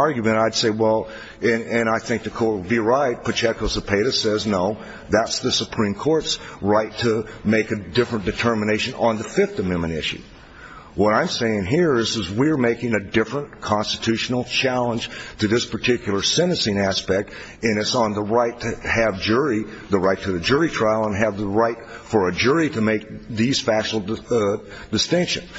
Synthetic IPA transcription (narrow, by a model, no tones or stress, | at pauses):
ɑɹɡjɨmɨ̃ɾ̃aɪd̥seɪwɛlˠ | ɨ̃nɨ̃ñaɪθɪ̃ŋk̚ðɨkʰɔɹtbiɹaɪt̚pʰɨt͡ʃʰɛkʰoʊsɨpʰeɪɾɨsɛznoʊ | ðætsðɨsəpʰɹ̥ĩmkʰɔɹtsɹaɪtʰɨmeɪkɨdɪfɹɨ̃nd̥ɨtʰɜ˞mɨneɪʃɨ̃nə̃nðɨfɪfθɨmɪ̃mɨ̃ñɪ̰ʃʉ̰ | wʌɾãɪ̃mseɪɪ̃ŋɦiɹɪzɨzwiə˞meɪkɪ̃ŋɨdɪfɹə̃nkʰɑ̃nstɨtʰʉʃn̩l̩ˠt͡ʃʰælˠə̃nʒ̥tʰɨðɪspʰə˞tʰɪkjl̩ˠə˞sɛ̃ñɨsĩnæspɛk̚t | ɨ̃ñɨsn̩ðəɹaɪtʰɨːvd͡ʒʊɹi | ðəɹaɪtʰɨðɨd͡ʒʊɹitʰɹ̥aɪl̩ˠə̃nɨvðəɹaɪtfə˞ɨd͡ʒʊɹiɾɨmeɪk̚ðiz̥fæʃl̩ˠ | d̥ɨstɪ̃ŋkʃɨ̰̃n